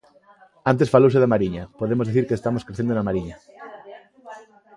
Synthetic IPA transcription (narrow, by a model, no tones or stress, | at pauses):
ãnt̪̬esfalows̬eðamaɾiɲapoðemozðeθiɾkeːst̪amoskɾeθend̪onamaɾiɲa